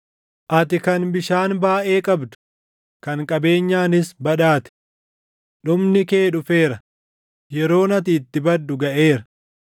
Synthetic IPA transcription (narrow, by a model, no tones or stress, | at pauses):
ʔɐt̪ɪkɐnbɪʃaːnbaːʔe̞ːkʼɐbd̪ʊ̥ | kɐŋkʼɐbe̞ːɲːaːnɪsbɐᶑaːt̪ɪ̥ | ᶑʊmnɪke̞ːɗʊfeːɾɐ | jɛɾo̞ːnɐt̪ɪːt̪ːɪbɐd̪ːʊɡɐʔe̞ːɾɐ